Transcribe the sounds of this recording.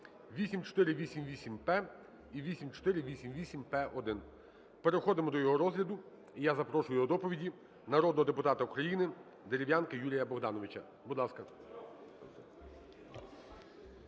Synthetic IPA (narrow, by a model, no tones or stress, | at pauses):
ʋʲisʲimt͡ʃɔ̥t̪ɪɾɪʋʲisʲimʋʲisʲimpɛ | iʋʲisʲimt͡ʃɔ̥t̪ɪɾɪʋʲisʲimʋʲisʲimpɛʔɔd̪ɪn | peɾexɔd̪ɪmɔd̪ɔjɔɦɔɾɔzɦlʲɐd̪ʊ | ijazɐpɾɔʃʊjʊɔd̪ɔpɔʋʲidʲi | nɐɾɔd̪nɔɦɔd̪epʊt̪ɑt̪ɐukɾɐjinɪ | d̪eɾʲɪʋjankɐjuɾʲijɐbɔɣd̪ɑnɔʋɪt͡ʃɐ | bud̪lˠɑskɐ